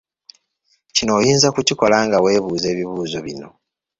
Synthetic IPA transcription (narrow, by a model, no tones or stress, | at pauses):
cino̞ːjiːnzakuciko̞laːŋɡawe̞ːβuːze̞ːβiβuːzo̞βino̞̰